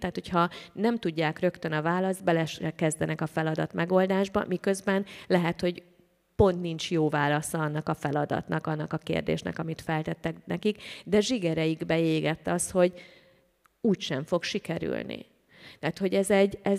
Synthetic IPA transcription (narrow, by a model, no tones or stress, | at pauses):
t̪aːt̪ho̞chɒnɛmt̪uɟːaːkrø̞kt̪ønɒvaːlɒzd̪̚bɛlɛʃɛkɛzd̪ɛnɛkɒfɛlɒd̪ɒ̰t̪mʔɛɡo̞ld̪aːʒbɒ̰mikø̞zbɛnlɛɦɛt̪ho̞ɟ | po̞nt̪nint͡ʃjoːvaːlɒsɒɒnːɒkɒfɛlɒd̪ɒ̰t̪nɒkɒnːɒkɒkḛːrd̪ḛːʃnɛ̰kɒmit̪fɛlt̪ɛt̪ːɛknɛkikd̪ɛʒiɡɛɾɛjiɡbɛeːɡɛt̪ːɒsho̞ɟ | uːcʃɛɱfo̞kʃikɛɾy̰lnḭ | t̪aːt̪ho̞ɟɛzɛɟːɛ